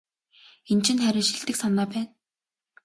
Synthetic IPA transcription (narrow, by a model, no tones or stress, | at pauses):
ent͡ɕɪ̆nχæɾʲɪ̆ːʃĭɬt̪ɘ̆ksanɔːpæːn